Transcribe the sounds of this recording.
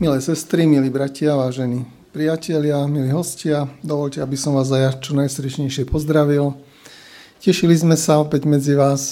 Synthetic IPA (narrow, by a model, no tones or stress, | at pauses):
milɛːsɛst̪ɾimiliːbɾacɪaʋaːʒɛni | pɾijacɛʎɪamiliːɦɔscɪad̪ɔʋɔʎcɛabisɔmʋaːzajat͡ʃɔnajsɾiʃɲɛjʃɪɛpɔzd̪ɾaʋil | cɛʃilizmɛsaɔpɛɟmɛd͡ziʋaːs